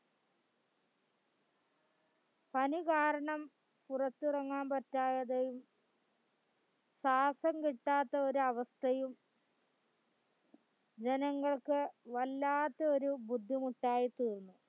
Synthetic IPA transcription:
pɐnikaːɾɐɳɐm | purɐt̪ːirɐŋːaːnpɐtːaːjɐðɐjum | saːsɐmkiʈːaːt̪ːɐo̞ɾuɐʋɐst̪ʰɐjum | d͡ʑenɐŋːɐɭkɨʋɐlːaːt̪ːɐo̞ɾubud̪ʱːimuʈːaːjit̪iːrnːu

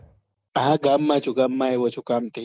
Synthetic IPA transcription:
ɐɦãɡaːmːat͡ʃʰuɡaːmːaːɦeʋot͡ʃʰukaːmt̪e

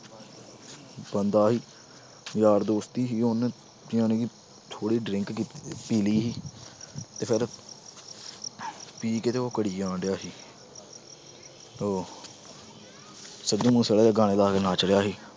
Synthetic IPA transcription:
bənd̪aːɦiː | jaːɾd̪oːst̪iːɦiːon | õːnẽːkiː | t̪ʰoːɽiːɖɾɪ̃ŋkkiːpiːliːɦiː | t̪eːpʰɪɾ | piːkeːt̪eːoːkəɽiːãːɳɖjaːɦiː | oː | səɡĩːmũːsəɽeːeːɡaːɽ̃eːlaːkenaːt͡ʃɽjaːɦiː

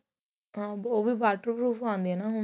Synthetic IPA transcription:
ɦãːboːʋiːbaːʈəɾpɾuːpʰãːnd̪eɛnaːɦʊ

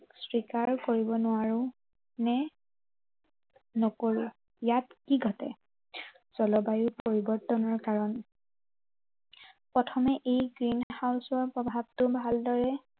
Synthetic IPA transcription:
sɹikaɹkoɹibɔnʊwaɹʊ | nɛ | nɔkoɹʊ | jatkiɡʱɔtɛ̰ | z̥ɔlɔbajʊpoɹibɔɹtːɔnɔɹkaɹɔn | pɔtʰɔmɛʔejɡɹinhawsɔɹpɹɔbʱab̚tʊbʱaldɔɹɛ

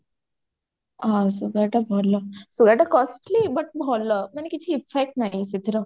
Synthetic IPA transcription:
ɦãsuɡaʈabʱoləsuɡaʈakɔsʈlibəʈ̚bʱɔləmənekit͡ɕʰiːfek̚ʈnaisit̪ɾə

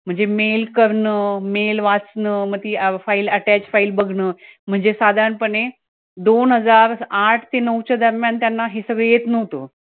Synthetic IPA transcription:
m̤ə̃ɳd͡zemelkəɾɳəmelʋat͡snəːmət̪ifailəʈæt͡ɕfailbəɡʱɳəːm̤əɳd͡zesad̪ʱaɳpəɳe | d̪onɦəd͡zaɾaʈʰt̪ʰenəʋt͡ɕad̪əɾmjant̪janːaɦesəɡɭejet̪nəɦt̪o

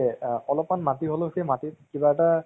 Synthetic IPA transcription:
ɔlɔpmanmatiɦoloxejmatit̚kibaɛta

